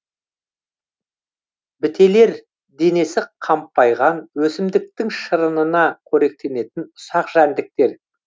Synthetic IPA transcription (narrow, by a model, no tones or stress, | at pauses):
bɪt̪ʰe̞le̞ɾ | d̪e̞ne̞sɪqʰɑmpːɑjʁɑnwɵsɪmd̪ɪk̚t̪ɪŋʃəɾənənɑkʲʰɵɾe̞k̚t̪e̞ne̞t̪ɪnʊsɑqʒ̥ænd̪ɪk̚t̪e̞ɾ